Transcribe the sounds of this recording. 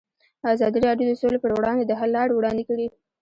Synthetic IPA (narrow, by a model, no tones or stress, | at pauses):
azɑd̪iɾɑɖjod̪əsolepəɾwɽɑnd̪ed̪əɦalːɑɽwɽɑnd̪ekəɽi